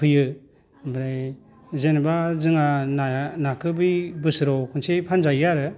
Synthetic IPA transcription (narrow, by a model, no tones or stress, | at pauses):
pʰɯjɯ | bɾaj | zenbazɯŋannakʰɯbɯjbɯsɾɔkʰɯnsejpʰanzajaɾɯ